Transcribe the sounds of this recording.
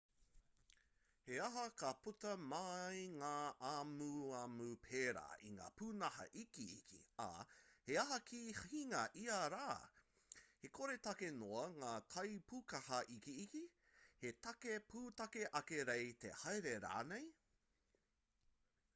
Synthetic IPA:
heɐɦɐkɐputɐmɐjŋaːʔamuɐmupʰeːɾa̰ːʔḭŋa̰ːpʰuːnɐhɐ̰ʔikḭːkʰḭɐ̰heɐɦɐkʰihiŋɐʔiɐɾaː | hekʰoɾet̪ɐkenoɐŋaːtʰɐjpʰukɐhɐʔikiːki | het̪ɐkepʰuːtɐkeʔɐkeɾejt̪ḛhɐjɾeɾa̰ːnej

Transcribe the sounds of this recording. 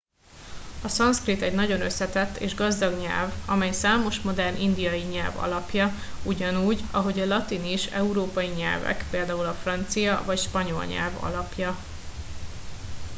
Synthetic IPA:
ɒsɒnskrit̪ɛɟnɒɟo̞nø̞sːɛt̪ɛt̪ːḛːʒɡɒzd̪ɒɡɲɛ̰lvɒmɛjsaːmo̞ʃmo̞d̪ɛrnʔind̪ijɒjiɲɛlvɒ̰lɒpjɒ | uɟɒnuːɟɒɦo̞ɟɒlɒt̪iniʃɛuɾoːpɒjiɲɛ̰lvɛ̰kpeːld̪aːulɒfrɒnt̪sijɒvɒcʃpɒɲo̞lɲɛ̰lvɒ̰lɒpjɒ

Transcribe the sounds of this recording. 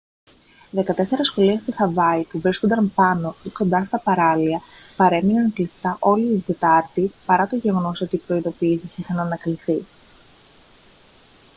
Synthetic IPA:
ðe̞kɐt̪e̞se̞ɾɐsxo̞liɐst̪ixɐvɐipuvɾisko̞nd̪ɐmpɐno̞iko̞nd̪ɐst̪ɐpɐɾɐliɐ | pɐɾe̞minɐnɐklist̪ɐʔo̞liːd̪e̞t̪ɐɾt̪ipɐɾɐt̪o̞ʝe̞ɣo̞no̞so̞t̪iːpɾo̞iðo̞piːsisixɐnɐːnɐkliθi

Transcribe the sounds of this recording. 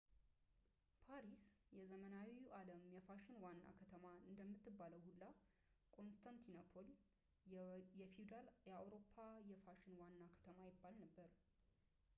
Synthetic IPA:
pʰaɾisjɛzəmənawiʔaləmjɛfaʃɪnwanːa̰kʰət̪ʰəmaɨnd̪əmːɨt̪ːɨbːaləwhulːa | kʰʼo̞nst̪ʰant̪ʰinapʰol | jɛfiud̪aljɛawɾo̞pʰːajɛfaʃɪnwanːakʰə̥t̪ʰəmajɪbːalnəbːəɾ

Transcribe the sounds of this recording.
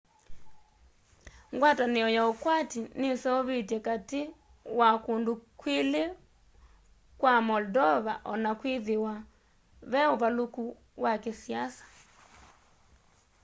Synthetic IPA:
ŋɡwataneɔjaokwatinesɛoβetɛkate | wakondokwele | kwamɔldɔβaʔɔnakweðewa | βɛoβaloku | wakesiasḁ

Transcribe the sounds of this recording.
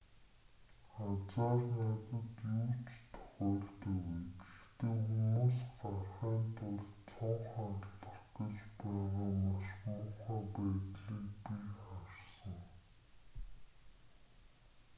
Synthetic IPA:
χat͡saːrnat̪ə̆t̪juːt͡ɕt̪ʰʊ̥χɔːɮt̪uwut̪ext̪eːxumuːsɢarχiːnt̪ʰʊɮt͡sʰɔɴχaɮə̆rɡə̆t͡ɕpæːʁaːmaʃmʊːχaːpæːt̪ɮiːkpiχarsə̆ŋ

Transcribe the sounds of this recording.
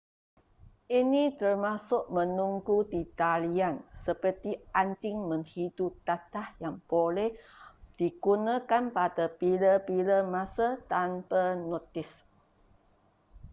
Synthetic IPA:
ʔinit̪ərmasʊʔmənuŋɡudit̪aliansəpərt̪iaɲt͡ʃɪŋməŋhidut̪at̪ahjaŋb̥olɛhd̥iɡunakanpadapiləpiləmasat̪anpanɔt̪ɪs

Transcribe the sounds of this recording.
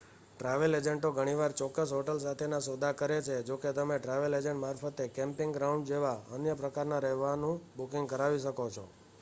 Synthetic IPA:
ʈɾaʋeled͡ʒəɳʈoɡʱəɽ̃iʋaɾt͡ʃɔkːəsɦoʈəls̬at̪ʰenasod̪ʱakəɾet͡ʃʰed͡ʒoket̪əmeʈɾaʋeled͡ʒə̃ɳʈmaɾfət̪ekɛ̃mpɪŋɡɾaũɳɖd͡ʒeʋaənjəpɾəkaɾnaɾɛɦʋanũbukɪŋɡkəɾaʋiʃəkot͡ʃʰo̰

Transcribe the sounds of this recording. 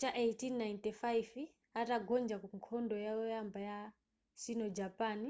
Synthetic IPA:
t͡ʃaʔejtinːajntifajiv | ataɡɔnd͡ʒakuŋkʰɔndɔjaɔjambaja | sinɔd͡ʒapani

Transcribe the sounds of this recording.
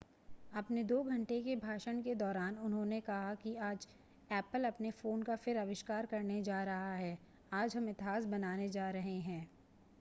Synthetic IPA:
ɐpned̪oːɡʱɐ̃ɳʈekebʱaːʃəɳ̃ked̪ɔːɾaːnʊnɦõnekɐɦakiaːd͡ʒ | ɛːpəlɐpnefoːnkafɪɾɐʋɪʃkaːɾkɐɾned͡ʒaːɾɐɦaɦɛː | aːd͡ʒɦɐmɪt̪ɪɦaːsbɐnaːned͡ʒaːɾɐɦeɦɛ̃ː

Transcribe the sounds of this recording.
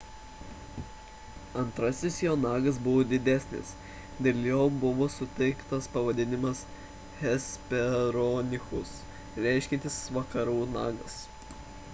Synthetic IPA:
ɐnt̪ɾɐsʲɪsjoːnɑːɡɐs̬bʊʋoːd̪ʲɪd̪ʲæsʲnʲɪ̰s | d̪ʲeːlʲˠjoːbʊʋoːsʊt̪ʲɛɪkt̪ɐspɐʋɐd̪ʲɪnʲɪmɐs | hʲɛsʲpʲɛɾonʲɪxʊs | ɾʲæˑɪʃʲkʲɪnʲt̪ʲɪsʋɐkɐɾuːnɑ̰ːɡɐs

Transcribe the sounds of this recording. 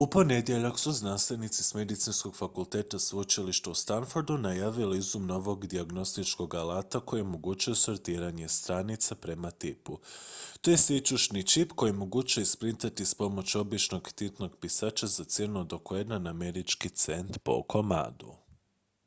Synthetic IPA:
upo̞ne̞d̪je̞ʎaksuznanst̪ʋe̞nit̪sisme̞d̪it̪sinsko̞ɡ̥fakult̪e̞ːt̪asut͡ʃiliʃt̪aust̪anfoɾd̪unajaːʋilizumno̞ʋo̞ɡd̪iaɡno̞st̪it͡ʃko̞ɡalaːt̪ako̞jemoɡut͡ʃujesoɾt̪iːɾaɲe̞st̪ɾanit̪sapɾe̞mat̪iput̪ojesit͡ʃuʃnit͡ʃipko̞jimoɡut͡ʃuespɾint̪at̪ispo̞mo̞t͡ʃo̞bit͡ʃno̞ɡt̪it̪no̞ɡpisaːt͡ʃazat̪sjenuod̪okoed̪naname̞ɾit͡ʃkit̪se̞nt̪po̰kʰo̞ma̰ːd̪ṵ

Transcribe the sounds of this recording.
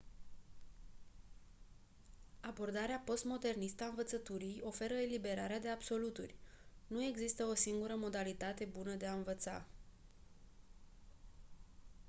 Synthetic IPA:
abo̞rd̪aɾeapo̞st̪mo̞d̪e̞rnist̪əaɨnvət̪sət̪uɾijo̞fe̞ɾəelibe̞ɾaɾead̪e̞abso̞lut̪ṵrʲnue̞ɡzist̪əo̞siŋɡuɾəmo̞d̪alit̪at̪e̞bunəd̪e̞aɨnvət̪sa̰

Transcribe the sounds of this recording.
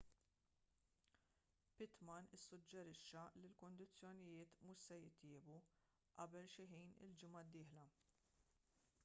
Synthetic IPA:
pɪt̪mɐnɪsːʊd͡ʒːɛɾɪʃːɐlilkʊnd̪ɪt͡sːjɔnɪjɪːt̪mʊʃsɛjɪt̪jɪːbu | ʔɐ̰bɛlʃɪħiːnɪ̰ld͡ʒɪmɐd̪ːɪːħlɐ

